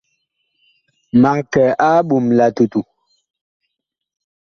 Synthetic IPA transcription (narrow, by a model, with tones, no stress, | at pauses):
ma˨kɛ˨ʔa˦ɓu˨mla˨tu˨tu˨